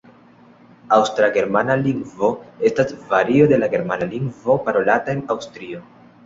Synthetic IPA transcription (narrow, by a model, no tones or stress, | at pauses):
awstɾaɡe̞ɾmanaliŋɡvo̞e̞stasvaɾio̞de̞laɡe̞ɾmanaliŋɡvo̞paɾo̞latae̞nawstɾio̞